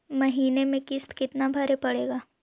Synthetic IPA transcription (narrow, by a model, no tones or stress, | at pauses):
mɐɦiːnemẽkɪst̪kɪt̪nabʱɐɾepɐɽeːɡaː